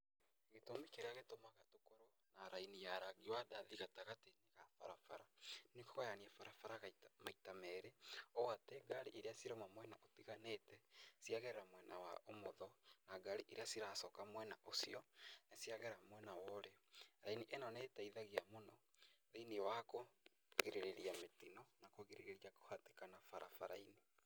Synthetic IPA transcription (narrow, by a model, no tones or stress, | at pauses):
ɣetomikeɾeaɣetomaɣatokoɾo | naɾainijaɾaɣiwadaðiɣataɣateneɣafa̰ɾafa̰ɾanekoɣajaniɛfaɾafaɾaɣamaitamɛɾeowatɛɡaɾiʔeɾeasiɾomamwɛnaotiɣanetɛsiaɣeɾɛɾamwɛnawa̰omoðɔnaɡaɾiʔiɾeasiɾasɔkamwɛnaʔosiɔnasijaɣɛɾamwɛnawɔɾeɾainiʔenɔnetaiðaɣiamonɔðeniwako | ɣiɾeɾeɾijametinɔnakoɣiɾeɾeɾiako̥hatekanafaɾa̰faɾaini